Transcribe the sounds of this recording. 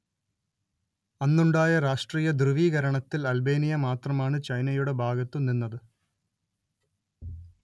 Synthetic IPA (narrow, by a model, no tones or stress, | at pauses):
ɐnːuɳɖaːjɐɾaːʂʈriːjɐd̪rɨʋiːɣɐɾɐɳɐt̪ːilɐlbe̞ːnijɐmaːt̪rɐmaːɳɨt͡ɕɐjnɐjuɽe̞bʱaːɡɐt̪ːumninːɐðɨ